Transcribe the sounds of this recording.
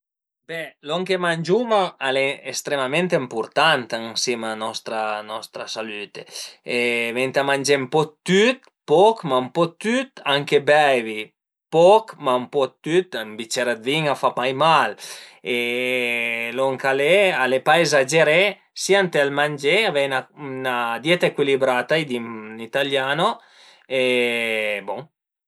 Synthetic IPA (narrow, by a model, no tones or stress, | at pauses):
b̥ɛlɔŋkemand͡ʒumaaleest̪ɾemament̪empuɾt̪ant̪aŋsimanɔst̪ɾanɔst̪ɾasalyt̪eevent̪amand͡ʒempɔt̪ːyt̪ | pɔkmampɔt̪ːyt̪aŋkebɛvi | pɔkmampɔt̪ːyt̪mbit͡ʃeɾad̪viŋafamajmale | loŋkalealepaezad͡ʒeɾe | siant̪ealmand͡ʒeavenanad̪jɛt̪aekwilibɾat̪ajd̪init̪aljano | e | boŋ